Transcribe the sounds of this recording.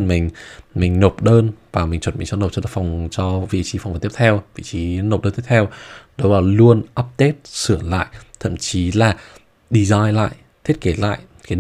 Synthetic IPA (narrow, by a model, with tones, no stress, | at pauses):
nmï˨˩ŋ̟mï˨˩ŋ̟no˨˩p̚ɗəː˧nvaː˨˩mï˨˩ŋ̟t͡ɕwə˨˩n̚mi̟˨˩t͡ɕɔ˧no˨˩p̚t͡ɕɔ˧a̰˧˩fa˨˩wŋ͡mt͡ɕɔ˧vḭ˧˨t͡ɕi˨˦fwvt̪ə˥t̪ʰɛ˧wvḭ˧˨t͡ɕi˨˦no˨˩p̚ɗəː˧nt̪i˦˥ə˥t̪ʰɛ˧wɗoə˨˦wlaː˨˩lu˧ənʔa˦˥p̚t̪e˦˥t̚sɨ˧˩əla̰ː˧˨jt̪ʰə̰˧˨mt͡ɕi˨˦laː˨˩ | ɗi˧zaː˧jla̰ː˧˨j | t̪ʰi˦˥ət̚ke˨˦la̰ː˧˨jʔ | kaː˨˦